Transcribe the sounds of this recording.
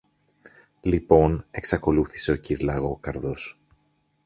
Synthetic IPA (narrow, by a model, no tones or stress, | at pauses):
lipo̞ne̞ksɐko̞luθi̥se̞o̞ciɾlɐɣo̞kɐɾðo̞s